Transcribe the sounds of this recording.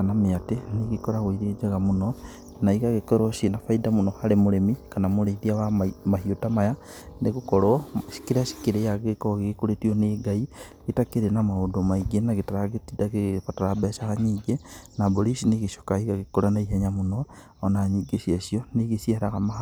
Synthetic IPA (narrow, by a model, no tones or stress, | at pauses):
kanameateniɣekoɾaɣwiɾed͡ʒeɣamono | naiɣaɣekoɾoʃinafaidamunohaɾemoɾemikanamoɾeɾiawamahiotamaja | neɣokoɾoʃi̥keɾaʃi̥keɾejaɣekoɣeɣekoɾetioneɡai | ɣetakeɾenamaodomaiɡenaɣetaɾaɣetidaɣeβataɾabɛʃaɣaɲiɡenaboɾisiniɣeʃo̥kaiɣaɣekoɾanaiɦeɲamuno | onaːɲiɡeʃiesijoneɣesiaɾaɣama